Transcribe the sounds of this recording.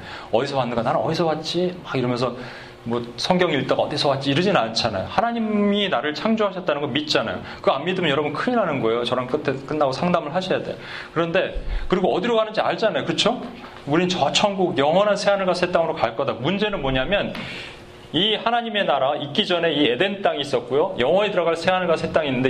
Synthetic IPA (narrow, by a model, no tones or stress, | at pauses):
ʌdisʰʌwanːɯnɡananɯnʌdisʰʌwat̚t͡ɕ͈iwaiɾʌmʌns̬ʰʌ | mwʌsʰʌŋɡjʌŋiit͈aɡaʌdisʰʌwat̚t͡ɕ͈iːɾɯd͡ʑinant͡ɕʰana̰johanaɲiminaɾɯɭt͡ɕʰaŋd͡ʑoɦaɕʰʌt̚t͈anɯnŋɡʌnmit̚t͡ɕ͈ana̰jo̰ | kɯammidɯmɯnjʌɾʌbunkʰɯɲiɾanɯnɡʌe̞jot͡ɕʌɾank͈ɯtʰek͈ɯnːaɡosʰaŋdamɯɭɦaɕʰijade̞̰ | kɯɾʌnde̞kɯɾiɡoʌdiɾokanɯnd͡ʑiaɭt͡ɕanajokɯɯt͡ɕʰo | uɾinnt͡ɕʌt͡ɕʰʌŋɡuɡjʌŋɦwʌnansʰe̞anɯɭɡasʰe̞t͈aŋɯɾokaɭk͈ʌdamund͡ʑe̞nɯnmoɲamjʌn | ihanaɲime̞naɾaik͈id͡ʑʌne̞iede̞nt͈aŋiːs͈ʌt̚k͈ujojʌŋwʌɲetɯɾʌɣaɭsʰe̞anɯɭɡasʰe̞t͈aŋinːɯnde